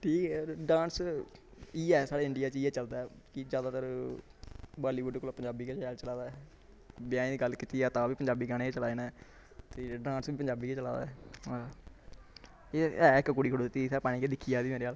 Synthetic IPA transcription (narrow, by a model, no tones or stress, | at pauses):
ʈʰiːkɛɖãːns | iːɛːsaːɽeːɪɳɖɪjaːt͡ʃiːɛːt͡ʃəld̪aːkid͡ʒjaːd̪aːt̪əɾ | baːliːbʊɖkolːpəɲd͡ʒaːbiːkeaːlt͡ʃəlaːd̪aːɛ | bɪjãːĩd̪iɡəlkit̪iːɛːt̪ãːʋiːpəɲd͡ʒaːbiːɡaɽ̃eːt͡ʃəlaːiːna | t̪eːɖãːnsbiːpəɲd͡ʒaːbiːket͡ʃəla̰ːd̪aɛ | eɛːɪkːkʊɽiːkʰəɽuːd̪ɪt̪ːiːsɛːpaːñiːkeːd̪ɪkʰːijaːd̪iːmeːɾeːaːl